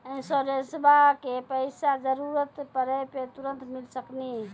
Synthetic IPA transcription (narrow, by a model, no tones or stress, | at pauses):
ĩnsoɾesbʱakepəɪsad͡ʒəɾuɾət̪pəɾəpet̪uɾə̃nt̪milsəkni